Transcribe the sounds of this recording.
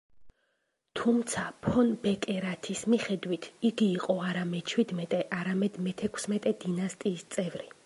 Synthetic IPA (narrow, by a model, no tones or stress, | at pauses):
t̪ʰumt̪sʰapʰɔnbɛkʼɛɾat̪ʰismiχɛd̪wit̪ʰiɡiːqʼɔaɾamɛt͡ʃʰwid̪mɛt̪ʼɛʔaɾamɛd̪mɛt̪ʰɛkʰsmɛt̪ʼɛd̪inast̪ʼiːst̪sʼɛvɾi